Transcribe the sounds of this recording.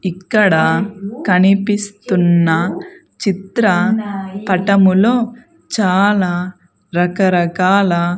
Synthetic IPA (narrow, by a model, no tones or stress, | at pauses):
ikːɐɽɐkɐnipist̪unːɐ | t͡ʃit̪ɾɐpɐʈɐmulo̞ː | t͡ʃaːlaː | ɾɐkɐɾɐkaːlaː